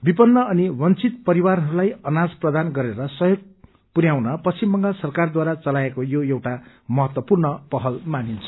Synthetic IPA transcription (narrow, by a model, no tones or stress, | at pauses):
bipʌnːʌːniwʌnt͡sit̪̚pʌɾiwarɦʌɾulajʌnad͡zprʌd̪anɡʌɾeɾʌsʌjoɡ̚ | puɾjawnʌpʌst͡simbʌŋɡasʌrkard̪waɾat͡sʌlaekojoewʈa | mʌɦʌt̪wʌpurnʌpʌɦʌlmanint͡sʰʌ̥